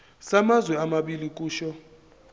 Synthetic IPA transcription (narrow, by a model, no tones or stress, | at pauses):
samazwɛamaɓilik̬ʼuːʃɔ